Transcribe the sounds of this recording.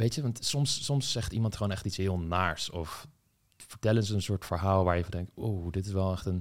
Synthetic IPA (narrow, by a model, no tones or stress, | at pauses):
ʋejtəʋɑntsɔmsːɔmsːɛχtimɑntχəʋoːnɛχtitsɦɪːlˠnaːɹsɔf | fəɹtɛlənzəːnsʊːɹtfəɹɦaːlˠʋaːɹjəɑndɛŋk̚towdɪtɪsʋɛlˠɛxtən